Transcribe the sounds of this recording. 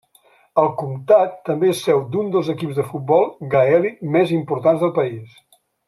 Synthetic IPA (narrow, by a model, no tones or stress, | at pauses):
əlˠkumt̪at̪ːəmbesːɛwd̪und̪əlˠzəkipzðəfut̪̚bɔlˠɡaɛlimɛzimpuɾt̪anzðəlˠpəis